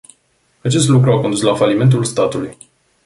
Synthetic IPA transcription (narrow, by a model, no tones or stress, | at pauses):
at͡ʃe̞st̪lukɾuako̞nd̪uslafalime̞nt̪̬ulst̪at̪uluj